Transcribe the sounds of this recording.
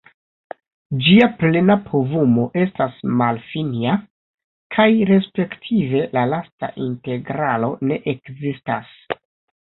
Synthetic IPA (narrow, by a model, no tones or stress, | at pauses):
d͡ʒiaple̞napʰo̞vumo̞ʔe̞stasmalfinia | kʰajɾe̞spe̞ktʰive̞lalasta̰ʔinte̞ɡɾalo̞ne̞ʔekzistas